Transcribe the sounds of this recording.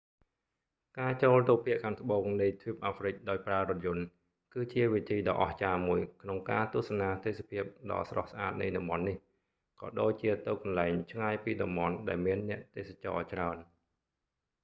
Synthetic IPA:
kaːt͡ɕoːlt̪uk̚pʰiəʔkʰaːŋt̪ʰə̆ɓoːŋnɨjt̪ʰjuːp̚ʔaːfrɨc̚ɗaɔjpraərŏət̪̚jʊ̆ən | kɨːt͡ɕiəʋit̪ʰiːɗɑ̰ːʔɑ̰ht͡ɕaːmuəjkʰnoŋkaːt̪ŭəsɑnaːt̪eːsapʰiəp̚ɗɑ̰ːsrɑ̰hsʔaːt̪̚nɨ̰jɗɑmɓɑnːih | kɑ̰ːɗoːc̚t͡ɕiət̪ɨwkɑnlaɛŋt͡ɕʰŋaːjpiːɗɑmɓɑnɗaɛlmiənːɛ̆əʔt̪eːsat͡ɕɑ̰ːt͡ɕraən

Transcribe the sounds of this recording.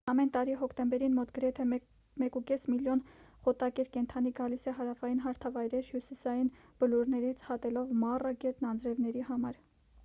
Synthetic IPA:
ɑmɛnt̪ɑɾiɦɔkʰt̪ɛmbɛɾinmɔt̪ɡəɾɛt̪ʰɛ | mɛkukɛsmiljɔnχɔt̪ɑkɛɾkɛnt̪ʰɑn̪iɡɑlisɛɦɑɾɑfɑjinɦɑɾt̪ʰɑvɑjɾɛɾhjusisɑjin | b̥əluɾnɛɾit͡sʰhɑt̪ɛlɔvmɑrɑɡɛt̪nɑnd͡zɾɛvn̪ɛɾihɑmɑɾ

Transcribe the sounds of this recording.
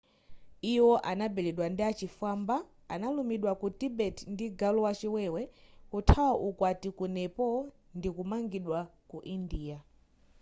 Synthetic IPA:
iwɔʔanabɛlɛɗwandiat͡ʃifamba | a̰nalumiɗwakutibɛtʰndiɡalɔwat͡ʃiwɛwɛkutʰawaʔukwatikunɛpɔ | ndikumaŋɡiɗwakuʔindiːa

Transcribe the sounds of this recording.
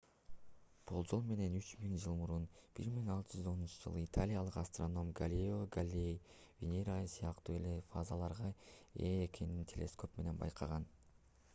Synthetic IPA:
b̥olˠd͡ʒo̞lˠme̞ne̞nyt͡ʃmiŋd͡ʒɯlˠmuɾunb̥iɾmiŋɑlˠt̪ɯd͡ʒyzo̞nunt͡ʃɯd͡ʒɯ̰lˠɯit̪ʰalʲijalˠɯqast̪ro̞no̞mɡalʲeoɡalʲej | vʲenʲeɾajsijɑqt̪uːe̞le̞fazɑlˠɑɾʁɑeːkʲʰe̞nint̪ʲʰe̞̰lʲe̞̰sko̞pme̞ne̞nbɑ̰jqʰɑʁɑn

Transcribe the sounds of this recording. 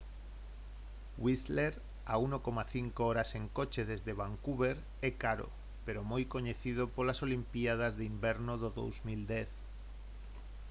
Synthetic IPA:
wisleɾ | a̰unokomaθiŋkooɾaseŋkot͡ʃeðezðeβ̞aŋkuβeɾ | ekaɾo̰ | peɾomojkoɲeθið̞opolasolimpiað̞azðimbeɾnoðoðo̰wzmild̪ɛθ

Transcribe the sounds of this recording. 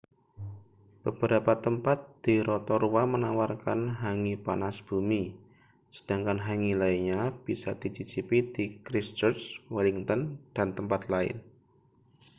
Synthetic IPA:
b̥əb̥əɾapat̪əmpat̪̚d̪̥iɾɔt̪ɔɾuwamənawarkanɦaŋipanasb̥umi | sə̥d̥aŋkanɦaŋilaiɲab̥isa̰d̪̥it͡ʃit͡ʃipid̪ikɾist͡ʃərswɛliŋt̪ɔnd̥ant̪əmpat̪laɪ̰n

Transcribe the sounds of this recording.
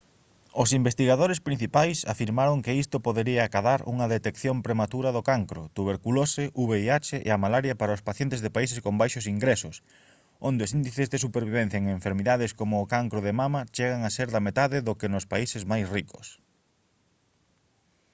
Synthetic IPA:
ʊsimbest̪iɣaðoɾespɾin̟θipajsa̰fiɾmaɾoŋkɪist̪opoðeɾiɐkaðaɾṵŋɐðet̪ekθjompɾemat̪uɾɐðʊkaŋkɾʊ̰t̪uβ̞eɾkuloseʔuβeiat͡ʃeʔḛamalaɾjɐpaɾaʊspaθjent̪ezðepaisɪskombajʃosiŋɡɾesʊs | ond̪eosind̪iθezðesupeɾβiβẽn̟θjɐeŋeɱfeɾmiðaðeskomʊːkaŋkɾʊðemamɐt͡ʃeɣaŋaseɾðɐmet̪aðɪðʊkenʊspaisɪzmajsrikʊ̥s

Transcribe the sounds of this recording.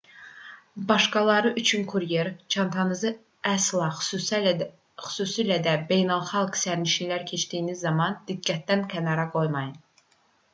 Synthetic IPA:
bɑʃkɑlˠɑɾɯʔyt͡ʃʰynkʰuɾje̞ɾt͡ʃʰɑnt̪ʰɑnɯzɯ | æslˠɑ | xy̥suːsilæd̪æbe̞jnɑlˠχɑlˠksæɾniʃilæɾcʰe̞t͡ʃd̪ijːnizːɑmɑnd̪̥iɡːæt̪̚d̪ænkʰænɑɾɑɡo̞jmɑjɯn

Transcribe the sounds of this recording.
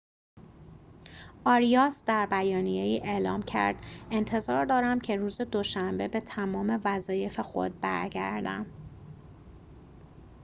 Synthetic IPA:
ʔɒːɾijɒsd̪æɾbæjɒːnije̞iːʔe̞ːlɒːmcʰæ̰ɾd̪̥e̞nt̪ʰe̞zɒːɾd̪ɒːɾæmcʰe̞ruːze̞d̪o̞ʃæmbe̞be̞t̪ʰæmɒːme̞væzɒːje̞fe̞xo̞̰d̪̚bæ̰ɾɟæ̰ɾd̪æ̰m

